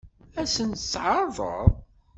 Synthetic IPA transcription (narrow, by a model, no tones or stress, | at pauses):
æsənsʕɑɾˤðˤə̰ɾˤ